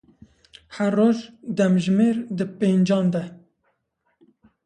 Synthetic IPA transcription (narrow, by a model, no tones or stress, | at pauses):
hɛrːoːʒd̪ɛmʒmeːɾd̪ɨpeːnd͡ʒɑːnd̪ɛ